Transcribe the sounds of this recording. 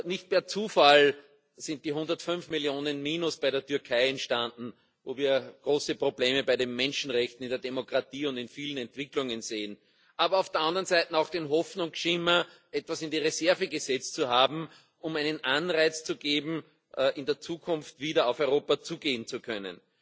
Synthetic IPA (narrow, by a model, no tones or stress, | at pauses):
nɪçt̚pɛːɐt͡suːfal | sɪ̃nt̚d̥iːɦʊ̃ndɐtfʏnfmɪljoːnənmiːnʊsb̥æɪɾeːɐtʰʏɐkʰaɪɛntʃtãndn̩ | voːviːɐɡ̥ʁoːsəpʁobleːməbaɪɾemːɛ̃nʃn̩ʁɛçtn̩ɪndeɐdemokʁ̥atiːʊ̃ndɪnfiːlən̩ɛntv̥ɪklʊŋənzeːən | ʔaːbɐaʊfd̥eːɐʔãndəʁənzæɪtn̩ɑʊxd̥enɦɔfnʊŋsʃɪmɐ | ʔɛtv̥asɪndiʁezɛɐvəɡəzɛt͡stt͡suhaːbm̩ | ʊmæɪnənʔanʁaɪt͡st͡suɡeːbm̩ | ʔɪ̃ndeːɐt͡suːkʰʊ̃nftv̥iːɾɐɑʊfœʏʁoːpat͡suːɡeːənt͡sukʰœnə̰n